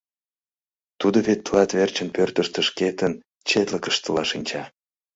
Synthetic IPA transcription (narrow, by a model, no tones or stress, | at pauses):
t̪ud̪oβet̪ːəlɑt̪βert͡ɕənpørt̪əʃt̪əʃket̪ən | t͡ɕet̪ləkəʃt̪əlɑʃinʲt͡ɕɑ